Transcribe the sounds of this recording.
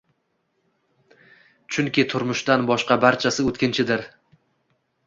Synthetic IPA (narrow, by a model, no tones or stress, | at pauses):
t͡ʃʰʊŋkʲɪt̪ʰʊɾmʊʃd̪anbɒʃqɑbaɾt͡ʃʰasɪot̪kʲɪnt͡ʃʰɪd̪ɪɾ